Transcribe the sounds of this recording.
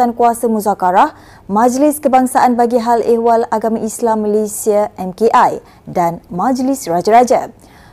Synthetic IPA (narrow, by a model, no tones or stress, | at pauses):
ankuasamũzakaɾah | mãd͡ʒlɪskəbaŋsaʔanbaɡiɦalewalaɡamãʔislamːalesiaʔɛmkeʔaj | danmãd͡ʒlisrad͡ʒaɾad͡ʒa̰